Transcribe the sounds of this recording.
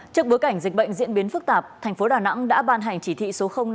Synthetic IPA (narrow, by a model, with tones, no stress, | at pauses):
t͡ɕɨ˦˥ək̚ɓo˨˦jka˧˩jŋ̟zi˨˩ɓə̰˧˨jŋ̟zḭ˧ənɓi˨˦ənfɨ˦˥k̚t̪aː˨˩p̚t̪ʰɛ˨˩j̟fo˨˦ɗaː˨˩na̰˧˥ŋɗa̰ː˧˥ɓaː˧nɦa˨˩jŋ̟t͡ɕi˧˩t̪ʰḭ˧˨so˨˦xə˧wŋ͡mn˧